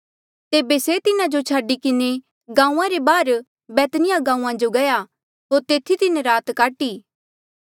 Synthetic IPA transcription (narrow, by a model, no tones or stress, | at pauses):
t̪eːbeset̪ɪnãd͡ʒot͡ʃʰaːɖikɪne | ɡãːũãɾebaːɾ | bɛːt̪nɪjãɡãːũãd͡ʒoɡɐja | ɦoːɾt̪eːt̪ʰit̪ɪnẽɾaːt̪kaːʈiː